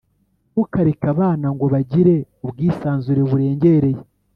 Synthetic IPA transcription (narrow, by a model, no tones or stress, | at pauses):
βukaɾekaβaːnaŋɡo̞βaɟiɾe̞ubɡiːsaːnzuɾe̞βuɾe̞ːɲɟe̞ɾe̞je